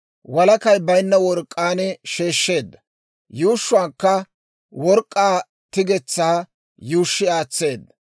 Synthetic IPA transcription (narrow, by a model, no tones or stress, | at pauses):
wɐlɐkɐjbɐjnːɐwɔɾkʼːaːnɛʃe̞ːʃːe̞ːd̪ːɐ̥ | juːʃːʊaːkːɐ | wɔɾkʼːaː | t̪ɪɡɛt͡sːaː | juːʃːɪaːt͡sːe̞ːd̪ːɐ